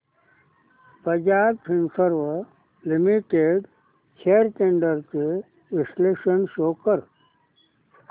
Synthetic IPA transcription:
pɾəd͡ʑaːb̚pʰinsəɾʋə | limiʈeɖ | t͡ʃʰeɾʈẽɳɖəɾt͡ɕe | ʋisleːʂənʃoːkəɾ

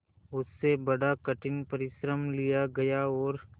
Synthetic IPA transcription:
ʊsːebɐɽakɐʈʰɪnpɐɾɪʃɾəmlijaɡɐjaɔːɾ

